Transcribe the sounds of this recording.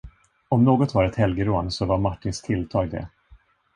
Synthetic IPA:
ɔmnoːɡɔt̪vaɾɛt̪hɛlɡəɾoansɔvaɾmaʈːɪnst̪ʰɪlt̪ʰɑːɡ̚d̪ɛ̰

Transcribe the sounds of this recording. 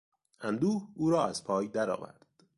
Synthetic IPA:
ʔænd̪uːhuːɾɒːæz̥pʰɒːjd̪æɾɒ̰ːvæ̰ɾd̪̥

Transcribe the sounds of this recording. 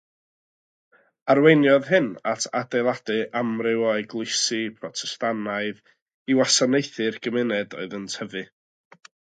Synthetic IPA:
arwejnjɔðɦɨnatʰadejlˠad̥ɨʔamrɪwaɨɡlˠɪsɨpʰrɔtʰɛstanaɨð | iwasanejθɨrɡ̥əmɪnɛdɔ̰ɨðəntʰəvɨ

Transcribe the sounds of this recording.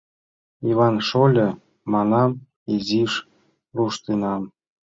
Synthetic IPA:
ivɑnʃolʲɤ̆ | mɑnɑm | iziʃ | ruʃt̪enɑm

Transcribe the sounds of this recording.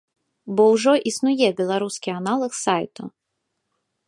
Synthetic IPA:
bɔwʐɔʔisnujɛbʲɛlˠaɾuskʲianalˠɐxsajt̪ṵ

